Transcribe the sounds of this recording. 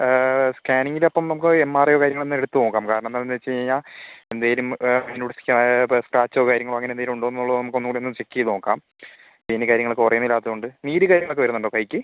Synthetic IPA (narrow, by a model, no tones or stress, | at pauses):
skaːniŋɡilɐpːɐmnɐmukːɨemːaːrejokaːɾjɐŋɐɭenːɨmeɽut̪ːɨnoːkːaːmkaːɾɐɳɐmnanend̪et͡ɕːejɲːaːe̞nd̪aːjilumnuɽisi̥kʲːskraːt͡ɕːoːkaːɾjɐŋːɐɭɐŋːɐnendajilmuɳɖoːenɐuɭːɐðnɐmukːɨonːuoːɽionːɨmt͡ɕe̞kːijɐðnoːkːaːm | pinːɨkaːɾjɐŋːɐɭokːɨkurɐjunːilːaːt̪ːɐðɨoɳɖɨniːɾɨkaːɾjɐŋːɐɭokːɨʋɐɾunːuɳɖoːkɐjkʲːɨ